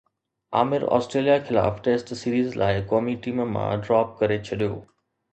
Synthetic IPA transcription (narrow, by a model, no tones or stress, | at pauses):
aːmɪɾɔ̰ːsʈɾeːlijaxɪla̰ːfʈeːsʈsiːɾiːzlʔa̰ːɪkɔːmiʈiːmmã̰ɖɾaːp̚kɐɾet͡ɕʰɐɗijo̰ː